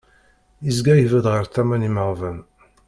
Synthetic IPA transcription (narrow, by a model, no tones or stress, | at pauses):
izɡæjivəd̪ʁəɾθæmæniməʁvæn